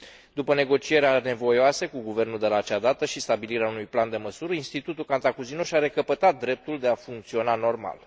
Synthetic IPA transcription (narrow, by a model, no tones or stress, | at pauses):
d̪upəne̞ɡo̞t͡ʃie̞ɾeane̞vo̞joasəkuɡuve̞rnuld̪e̞lat͡ʃad̪at̪əʃist̪abiliɾeaunujpland̪e̞məsuɾəinst̪it̪ut̪ulkant̪akuzinoʃaɾe̞kəpət̪at̪̚d̪ɾe̞p̚t̪uld̪e̞afuŋkt̪sio̞nano̞rma̰l